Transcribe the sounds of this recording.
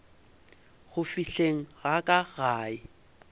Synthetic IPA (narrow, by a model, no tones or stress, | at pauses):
ɣʊfiɬeŋ̩ɣakʼaɣaːɪ